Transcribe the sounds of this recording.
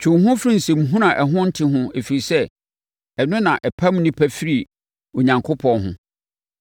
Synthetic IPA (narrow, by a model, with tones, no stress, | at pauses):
t͡ɕʰᶣʊ̃˨ɦʊ̃˦fɾĩ˦n̩˨sɛ̃˨mɦũ˦ɾã˨ʔɛ˨ɦʊ̃˦n̩˦tʰɪ˦ɦʊ̃˦e˨fi˨ɾi˨sɛ˦ | ɛ˨nʊ̃˦nã˨ʔɛ˨pʰa˦m̃˦nɪ̃˦pʰæ˦fi˦ɾi˨ | o˨ɲã˨ŋkʰo˦pʰɔ̃˨nɦʊ̰̃˦